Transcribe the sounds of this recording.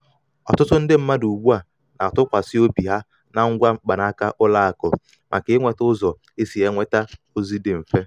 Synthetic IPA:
ɔ̰˨tʊ˦tʊ˦n̩˦dɪ˦m̩˦ma˦du˨ɡ͡bu˦a˨ | na˨tʊ˦kʷa˨sɪ˦o˦bi˨ɦa˦ | na˨ŋ̩˦ɡʷa˦ŋ͡m̩˦k͡pa˨na˦ka˦ʔʊ˦la˦a˨kʊ̰˨ | mʔa̰˨kɪ˨˦ŋʷe˨tʊ˦zɔ˨ | e˦si˨e˦ŋʷe˦ta˦ | o˦zi˦dɪ˨m̩˨fe˦

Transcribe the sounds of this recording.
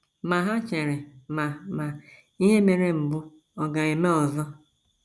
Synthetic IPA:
ma˨ɦa˦t͡ʃe˨ɾe˨ma˨ma˨ | i˦ɦe˦me˨ɾe˦m̩˨bʊ˦ | ɔ˨ɡa˨e˨me˦ɔ˨zɔ˦

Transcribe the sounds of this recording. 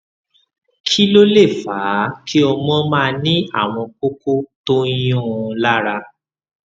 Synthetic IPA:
kʰi˦lo˦le˦˨faː˨˦kʰi˦ɔ˧mɔ̃˦mãː˦˧nĩ˦a̰˦˨w̃ɔ̃˧k͡po˦ko˦to˦j̃ɔ̃˦˨˧la˦ɾa˧

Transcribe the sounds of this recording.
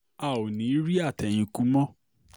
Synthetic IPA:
a˨o˨nĩ˨˦ɾi˦a˦˨tɛ˨j̃ĩ˧ku˨˦mɔ̃˦

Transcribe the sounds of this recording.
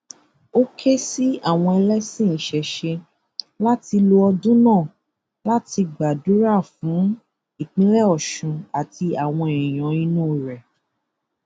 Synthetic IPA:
o˦kʰe˦si˦a˦˨w̃ɔ̃˧ɛ˧lɛ˦sĩ˦˨n̩˨ʃɛ˨ʃe˧ | la˦ti˧lo˧ɔ˧dũ˦nãː˦˨ | la˦ti˧ɡ͡ba˨du˨˦ɾa˦˨fũ˨˦ | i˦˨k͡pĩ˨˦lɛ˦ɔ˦˨ʃũ˨˧a˨ti˧a˨w̃ɔ̃˧e˨ĩ˨j̃ɔ̃˨ĩ˧nũ˦˨ɾɛ˨

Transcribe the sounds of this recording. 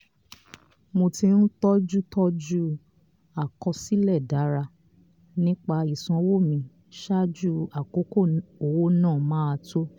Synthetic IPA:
mo˧ti˧n̩˦tɔ˦d͡ʒu˦tɔ˦d͡ʒu˦ | a˨kɔ˧si˦lɛ˦˨da˨˦ɾa˧ | nĩ˦k͡pa˧i˨sã˧wo˦˨mĩ˧ | ʃa˦d͡ʒu˦a˨ko˨˦ko˦˨o˨wo˦nãː˦˨mãː˦a˧to˦

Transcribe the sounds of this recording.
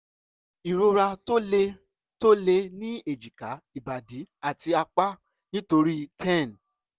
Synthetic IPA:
i˨ɾo˧ɾa˧to˦le˧ | to˦le˧nĩ˦e˨d͡ʒi˨ka˨˦i˨ba˨di˨˦a˦˨ti˧a˧k͡pa˦ | nĩ˦to˧ɾi˦tʰɛ̃˦˨n

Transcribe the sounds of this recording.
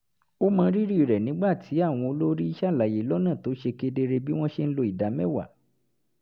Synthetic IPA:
o˦mãː˧ɾi˦ɾi˦˨ɾɛ˨nĩ˨˦ɡ͡ba˦˨tʰi˨˦a˦˨w̃ɔ̃˧o˧lo˦ɾi˦i˦ʃa˦˨la˨je˨˦lɔ˦nã˦˨to˨˦ʃe˧ke˧de˧ɾe˧bi˦w̃ɔ̃˦ʃe˧n̩˦lo˧i˨da˨˦mɛ̃˦˨wa̰˨

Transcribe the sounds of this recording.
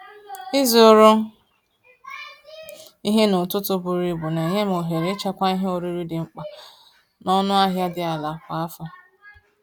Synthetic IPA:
ɪ˦zi˨o˦ɾʊ˦ | i˦ɦe˦nʊ˨tʊ˦tʊ˦bʊ˨ɾi˦bʊ˨ne˨ɲe˦m̩˨o˨ɦe˨ɾe˦t͡ʃa˦kʷa˦i˦ɦe˦o˨ɾi˦ɾi˦dɪ˨ŋ͡m̩˦k͡pa˨ | nɔ˦nʊ˦a˦ɦja˦dɪ˦a˨la˨kʷa˨a˦fa˦

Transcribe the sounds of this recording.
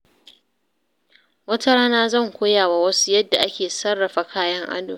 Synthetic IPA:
wɐ˦ta˦ɾaː˦naː˦zɐ˦˨ŋkʷoː˦jaː˨wa˦wɐ˦su˦jɐ˦dːa˨ʔa˦kʲeː˨sɐ˦rːɐ˨ɸa˨kʰaː˦jɐ˦ŋʔa̰˦doː˨

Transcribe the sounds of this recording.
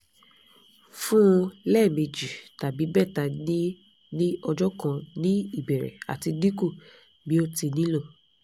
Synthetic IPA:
fũ˦lɛ˦˨me˧d͡ʒi˨ta˨bi˨˦bɛ˦˨ta˧ni˦ | nĩ˦ɔ˧d͡ʒɔ˦kã˧nĩ˦i˦˨bɛ˨ɾɛ̰˨a̰˨ti˧di˦ku˦˨ | bi˨˦o˦ti˧nĩ˦lo˦˨

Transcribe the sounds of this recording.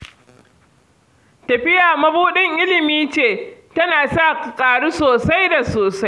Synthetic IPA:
tɐ˨ɸɪ˦jaː˨mɐ˦buː˦ɗɪ˦ŋʔɪ˦lɪ˨miː˦t͡ʃeː˦˨tɐ˦naː˨sa˦˨kkʼaː˨ɽu˦soː˨sa˦jda˨soː˨sa˦j

